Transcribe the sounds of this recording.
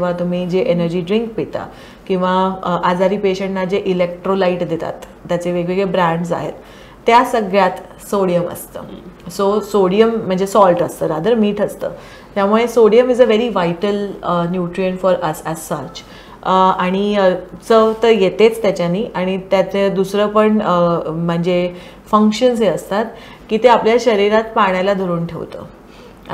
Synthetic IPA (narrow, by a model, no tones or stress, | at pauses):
kĩʋat̪um̤iːd͡ʑeʔenəɾd͡ʑiːɖɾiŋk̚pit̪a̰ | kĩw̃ʋaʔad͡zaɾiːpeɕəɳʈnad͡ʑeʔilek̚ʈɾolaiʈd̪et̪a̰t̪ːjat͡seʋeɡeɡɭebɾæ̃ɳɖs̬a̰ɦḛt̪ː | jasəɡɭjat̪ | soɽijəmə̰st̪ə̰ːsosoɽijəm̤ːəɳd͡zesɔlʈəst̪əːɾad̪əɾmiːʈʰəst̪ə̰ː | t̪jamuɭesoɽijəmid͡zəʋeɾiʋajʈələnjuʈɾijənfɔɾəsæzsəɾt͡ɕ | aɽ̃it͡sət̪əjet̪et͡st̪jat͡ɕjaniːʔaɽ̃it̪jat͡sed̪usɾəpəɳəm̤əɳd͡ze | fəŋkɕəns̬ɦeəst̪at̪ | kiːt̪eapljaɕəɾiɾat̪paɽ̃jalad̪ʱəɾuːnʈʰḛʋt̪ə̰ː